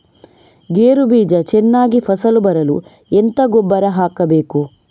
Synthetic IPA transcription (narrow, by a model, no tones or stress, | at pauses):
ɡeːɾubiːd͡ʒɐt͡ʃɛnːaːɡipʰɐsɐlubɐɾɐlu | ent̪ɐɡɔbːɐɾɐɦaːkɐbeːku